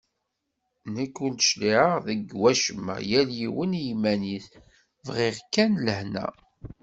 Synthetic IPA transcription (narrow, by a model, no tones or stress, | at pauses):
nəkːʊlʃliʕəʁðəɡwæʃəmːæ̰jæljiwənjimæniθ | vʁɪʁkːænləhnæ̰